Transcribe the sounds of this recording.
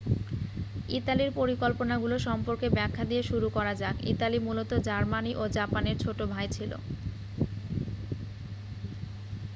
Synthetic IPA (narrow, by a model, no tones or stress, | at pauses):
it̪aliɾpoɾikolponaɡuloʃɔmpoɾkebɛkʰːad̪ieʃuɾukɔɾad͡ʑakḭt̪alimulot̪od͡ʑaɾmaniʔod͡ʑapaneɾt͡ɕʰoʈobʱajt͡ɕʰilo̰